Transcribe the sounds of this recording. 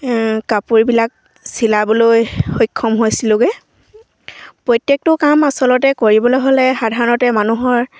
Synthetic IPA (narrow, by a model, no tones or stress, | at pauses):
kapuɹibilak̚ | silabɔlojxojkʰːɔmɦojsilʊ̃ɡɛ | pɹɔjtjek̚tʊkamasɔlɔtɛkoɹibɔlojɦolɛxadʱaɹɔnɔtɛmanuɦɔɹ